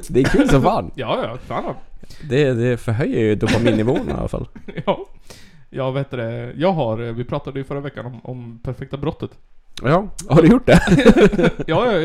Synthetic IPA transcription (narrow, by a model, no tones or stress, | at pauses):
d̪ɛkʰʉːlsɔvɑːnjɑːjɑkɾanand̪ɛd̪ɛfœɾɦœjːəɾjɵd̪ʊpamiːnɪvoːəna̰lafa̰lːjɑ | jɑːvaheːt̪ːəd̪ɛjɑːɡɦaɾvɪpʰɾɑːt̪ad̪əjʏfœɾːavɛkːanɔmɔmpʰæɾfɛk̚t̪abɾɔt̪ːət̪ | jɑːhaɖɵjʊʈ̚ːd̪ɛ | jɑːjɑ